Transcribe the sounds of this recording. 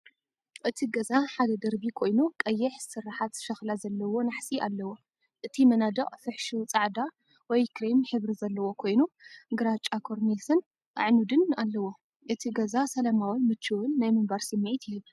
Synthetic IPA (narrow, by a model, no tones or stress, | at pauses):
ʔɨt̪ʰiɡɐzaħad̪ɐd̪ɐɾbikʰo̞jnukʼɐjːɛħsɨɾːaħat̪ʃɐxlazɐlːɐwo̞naħsiʔa̰lːɐwo̞ | ʔɨt̪ʰimɐnad̪ɐχʼfɨħʃut͡sʼaʕd̪a | wɔjkʰɾemħɨβɾizɐlːɐwo̞kʰo̞jnuɡɨɾat͡ʃʼakʰoɾnelsɐn | ʔa̰ʕnud̪ɨnalːɐwo̞ | ʔɨt̪ʰiɡɐzasɐlɐmawnmɨt͡ʃːɨwɨnːajmɨmbaɾsɨmːiʕit̪ʰjɪjiβ